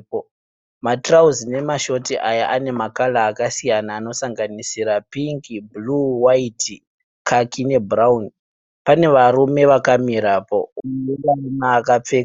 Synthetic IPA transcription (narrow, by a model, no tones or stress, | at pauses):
matrauzine̞maʃo̞tiʔajaʔane̞makalaːkasijanaːno̞saŋɡanisiɾapiŋkibluwaiti | kʰakine̞brauni | pane̞ʋarume̞ʋakamiɾapo̞̰uaunaːkap͡fea